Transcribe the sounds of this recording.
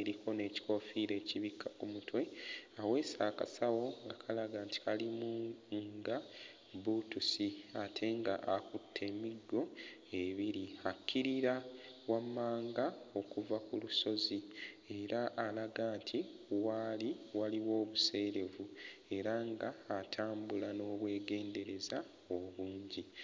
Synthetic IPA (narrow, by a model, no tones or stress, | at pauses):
eɾiko̞ne̞ːci̥ko̞fiɾe̞ːciβikʰːakumutwe̞awe̞ːsaːka̰sawo̞ŋɡakʰalaɡaːnti̥kalimuŋɡa | butusiatʰe̞ŋɡa̰ʔakutʰːe̞ːmiɡːo̞ | e̞βiɾiakʰːiɾiɾawamːaːŋɡao̞kuvakuluso̞zi | e̞ɾaʔːlaɡaːntʰiwaliwaliwo̞ːβuse̞ːɾe̞vue̞ɾaŋɡaːtʰaːmbulano̞ːβwe̞ːɡe̞ːnde̞ɾe̞za | oβuːɲɟi